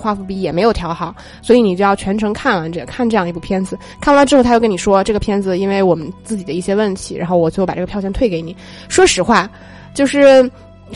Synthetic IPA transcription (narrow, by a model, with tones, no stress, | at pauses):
xwa˥˧fu˥˩pi˧˥jɛ˨˩me˧˥ɪjo˨˩ʊt̪ʰjɑ˧˥ʊxɑ˨˩˦ʊ | swɔ˧˥i˧˥ni˨˩t͡ɕjo˥˧jʊt͡ɕʰɥɛ˧˥nʈ͡ʂʰɤ˧˥ŋkʰa˥˩na˧˥nʈ͡ʂə˧˩kʰa˥˧nʈ͡ʂɤ˥˧ɑ˥˧ŋ˧˥pu˥˩pʰjɛ˥nd͡zɹ̩˨˧ | kʰa˥˩˧a˥jkə˥ni˨˩ʂwɔ˥˧ʈ͡ʂɤ˥˩ɡə˩pʰjɛ˥nd͡zɹ̩˧i˥nwe˥˩ɪwɔ˨˩mə˦nt͡sɹ̩˥˩t͡ɕi˨˩d̪ə˦i˥˩ɕjɛ˥wə˥˩nt̪ʰi̥˧˥ɻa̰˧˥nxo˥˧ʊwɔ˨˩t͡ɕo˥˧˥pa˨˩ʈ͡ʂɤ˥˩˧jɕjɛ˥˧nt̪ʰwe˥˩ɪke˧˥ɪni˨˩˦ | ʂwɔ˥ʂɻ̩˨˧˩xwa˥˩ | t͡ɕjo˥˧ʊʂɻ̩˥˩